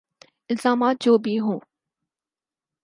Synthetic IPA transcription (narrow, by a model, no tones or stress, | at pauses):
ɪlzaːmaːt̪̚d͡ʒoːbʱiɦũː